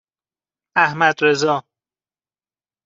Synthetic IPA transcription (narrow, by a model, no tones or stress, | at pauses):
æhmæd̪ɾezɒː